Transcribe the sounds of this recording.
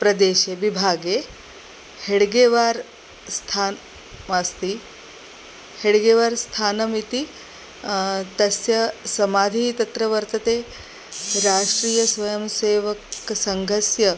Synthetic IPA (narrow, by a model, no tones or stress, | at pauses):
pɾɐd̪eːʃeʋibʱaːɡe | heɽɡeːʋaːɾ | st̪ʰaː | mast̪i | heɽɡeːʋaːɾst̪ʰaːnɐmit̪i | t̪ɐsjɐsɐmaːd̪ʱiːt̪ɐt̪ɾɐʋɐɾt̪ɐt̪eː | ɾaːʂʈɾiːjɐsʋɐjɐmseːʋɐksɐŋɡʱɐsjɐ